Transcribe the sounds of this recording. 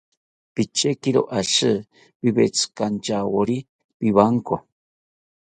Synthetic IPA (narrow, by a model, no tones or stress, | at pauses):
pit͡ʃekiɾo̰ʔaʃɨ | piβet͡sɨ̥kant͡ʃawoɾi | piβaŋko